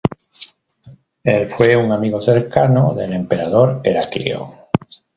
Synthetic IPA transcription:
elfweuŋamiɣoθeɾkanoðelẽmpeɾaðoɾeɾakḭo̰

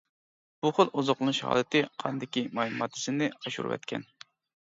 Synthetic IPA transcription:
b̥uχolˠʔuzʊqlˠɨnuʃhɑ̰ːlˠɨt̪ʰɪqʰɑ̰nd̪ɪkʲimɑjmɑt̪ʰːɨ̥sɪnɪɑʃṵɾ̰wɛ̰t̪kʲʰɛ̰n

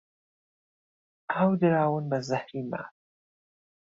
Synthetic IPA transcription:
aːwd̪ɨɾaːwɨnbɐzahɾiːma̰ː

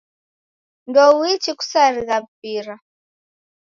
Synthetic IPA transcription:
ndɔwit͡ʃiku̥saɾiɣam̩piɾa

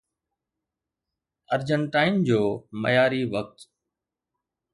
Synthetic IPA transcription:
əɾd͡ʑəɳʈaːɪnd͡ʑoːmɐ̰jaːɾiʋək̚t̪

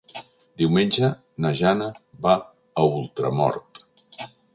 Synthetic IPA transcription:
d̪iwmenʲd͡ʒə | nəʒanəβa | əulˠt̪ɾə̰mɔ̰ɾt̪

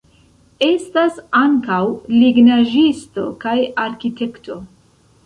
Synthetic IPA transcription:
e̞stasaŋkawliɡnaʒisto̞̰kajaɾkite̞kto̞

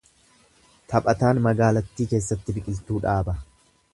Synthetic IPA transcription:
t̪ʰɐpʼɐt̪aːnmɐɡaːlɐt̪ːiːke̞ːsːɐt̪ːɪbɪkʼɪlt̪uːᶑaːbɐ

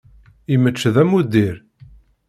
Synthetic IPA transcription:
imət͡ʃːðæmud̪iɾ

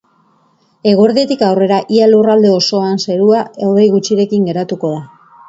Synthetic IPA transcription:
e̞ɣ̞oɾðiet̪ikawre̞ɾaʔialurald̪e̞o̞so̞anse̞ɾuaewðe̞jɣut͡ʃiɾe̞kiŋɡe̞ɾat̪uko̞ða

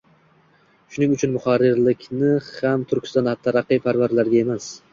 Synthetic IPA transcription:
ʃʊnɪŋʊt͡ʃʰʊnmʊχaɾːɪɾlɪkʲnɪhamt̪ʰʊɾkʲʰɪ̥st̪ɑnat̪ʰːaɾɑqːijpʰaɾvaɾlaɾɡʲae̞mas

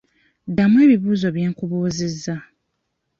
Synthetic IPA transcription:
damʊ̃eβibuːzobiɛŋkʊbozɪzːa

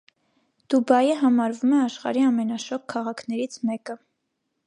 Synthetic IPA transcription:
d̪̥ubɑjəɦɑmɑɾvumɛɑʃχɑ̰ɾiɑmɛnɑʃɔkʰːɑʁɑkʰnɛɾit͡sʰmɛkə

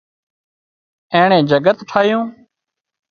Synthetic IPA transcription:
ẽːɳẽːd͡ʒəɡət̪ʈʰaːijõː

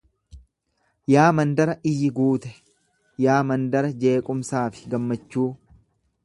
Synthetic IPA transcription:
jaːmɐnd̪ɐɾɐʔɪjːɪɡuːt̪ɛ̥ | jaːmɐnd̪ɐɾɐd͡ʒe̞ːkʼʊmsaːfɪ̥ɡɐmːɐt͡ʃːuː

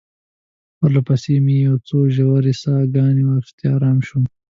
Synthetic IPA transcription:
wɐlɐpɐseːmijowt͡soːʒɐwɐɾisaːɡaːniwɐɾt̪iaːɾaːmɕu

